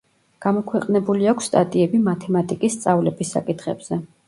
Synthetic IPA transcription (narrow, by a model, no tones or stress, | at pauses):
ɡ̥amɔkʰwɛqʼnɛbuliakʷʰsːt̪ʼa̰t̪ʼiɛbimat̪ʰɛmat̪ʼikʼisːt̪sʼavlɛbisːa̰kʼit̪ʰχɛb̥z̥ɛ